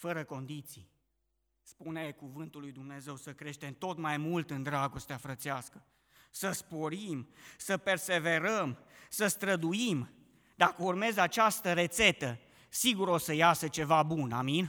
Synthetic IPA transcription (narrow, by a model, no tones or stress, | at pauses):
fəɾəko̞nd̪it̪sḭj | spune̞ekuvɨnt̪ulːujd̪umne̞ze̞wsəkɾe̞ʃt̪e̞mt̪o̞t̪majmult̪ɨnd̪ɾaɡo̞st̪eafɾət̪seaskə | səspo̞ɾimsəpe̞rse̞ve̞ɾəmsəst̪ɾəd̪uim | d̪akəurme̞zat͡ʃast̪əɾe̞t̪se̞t̪ə | siɡuɾo̞səjasət͡ʃe̞vabuna̰min